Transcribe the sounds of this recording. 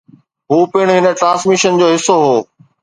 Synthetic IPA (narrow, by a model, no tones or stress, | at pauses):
ɦuːpɪɽ̃ɦɪnə̆ʈɾãːsmɪʃənd͡ʑoːɦɪsːoɦoː